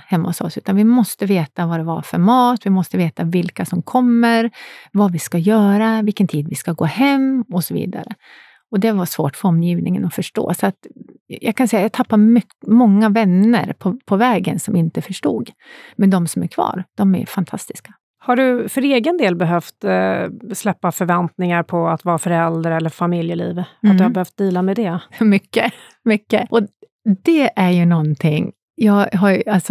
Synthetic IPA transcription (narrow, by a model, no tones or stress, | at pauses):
hɛmːʊsɔ̰sʉ̟ːt̪anvɪmɔst̪əveːt̪avad̪ɛva̰ɾfœɾmɑːt̪vɪmɔst̪əveːt̪avɪlkasɔmkʰɔmːəɾvavɪskajœːɾavɪlkːənt̪ʰiːd̪vɪskaɡoːhɛmːɔsɔvḭːd̪a̰ɾə | ɔd̪ɛvaʂvoːʈfœɾɔmːjiːvnɪŋə̰nɔfœʂʈo̰ːsɔat̪jɑ̰ɡkʰansɛjajat̪ʰapːamʏ | mɔŋːavɛnːə̰ɾpʰɔpʰɔvɛːɡə̰nsɔmɪnt̪əfœʂʈṵːɡ | mɛnd̪ɔmsɔmæ̰ɾkʰvɑ̰ːɾd̪̥ɔmæ̰fant̪ʰa̰st̪ɪskḁ | haɖɵfœɾeːɡənd̪eːlbɛɦœft̪ | slɛpːafœɾvɛnt̪nɪŋaɾpʰɔat̪vɑːɾafœɾɛld̪ɾɛlːəɾfamɪljəlḭːvhad̪ɵhabɛhœft̪̚d̪iːlamɛd̪ɛmʏkːə | mʏkːəʔɔ | d̪ɛʔæɾjɵnɔnt̪ʰɪŋ | jɑːɡɦaɾalsɔ